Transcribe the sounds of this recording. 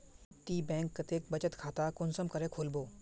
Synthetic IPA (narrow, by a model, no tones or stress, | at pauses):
ʈ̪iːbɛ̃ːŋkːɐt̪eːkbɐt͡ʃət̪kʰaːt̪akʊnsəmkɐɾẽkʰoːlboː